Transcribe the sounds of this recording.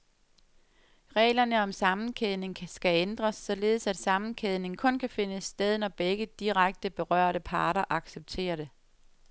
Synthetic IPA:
ʁɛ̰ːlɐnəɒ̽msɑ̈mn̩kʰeðˠne̝ŋʰsɡ̥æend̥ʁɐsːɒ̽le̝ːð̞̩ˠsæd̥sɑ̈mn̩kʰeðˠne̝ŋkʰɔ̽nkʰæfe̝nəsd̥eð̞ˠnɒb̥eɡ̥əd̥iʁaɡ̥̚d̥əb̥e̝ʁɶ̰ɐ̰ɾəpʰɑ̈ːɾɐʔɑ̈ɡ̥seb̥̚t͡sʰe̝̰ːɐɾe̝

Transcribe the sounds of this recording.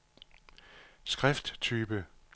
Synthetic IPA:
sɡ̥ʁɛfd̥t͡sʰyːb̥ə

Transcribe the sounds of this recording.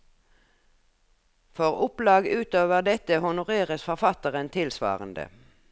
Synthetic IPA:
fɔʁʊplɑːɡʉːt̪oːʋəʁd̪ɛt̪əhʊnʊʁeːʁəsfɔʁfɑt̪əʁənt̪ʰɪlsʋɑ̰ːʁənd̪ə̰

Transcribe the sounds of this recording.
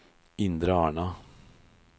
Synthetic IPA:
ɪnd̪ɾəɑːɳɑ

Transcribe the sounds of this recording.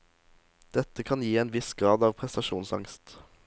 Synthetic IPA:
d̪̥ɛt̪əkʰɑnjiːeːnʋɪsɡʁɑːd̪ɑːʋpʰʁɛst̪ɑʃuːnsɑ̰ŋst̪

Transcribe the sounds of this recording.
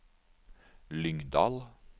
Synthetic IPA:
lʏŋd̪ɑ̰ːl

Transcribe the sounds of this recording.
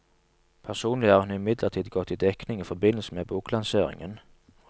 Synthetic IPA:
pʰæʁsuːnlɪhɑːʁhʉnɪmɪd̪ləʁt̪ʰiːd̪ɡɔt̪ːiːd̪ɛknɪŋiːfɔbɪnəl̩səmeːbuːklɑnseːʁɪ̰ŋə̰n

